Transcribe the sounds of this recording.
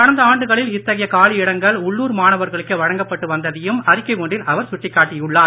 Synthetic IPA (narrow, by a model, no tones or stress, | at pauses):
kɐɽɐnd̪ɐaːɳɖɯɣɐɭɪlɪt̪ːɐɣɐjɐkaːɭɪɪɽɐŋɡɐɭʊɭːuːɾmaːnɐʋɐɾɣɐɭɯkːɯʋɐɻɐŋɡɐpːɐʈːɯʋɐnd̪ɐðɪjɯmɐɾɪkːɐɪʋoɳɖɪlɐʋɐɾsʊʈːɪkːaːʈːɪjʊɭːaː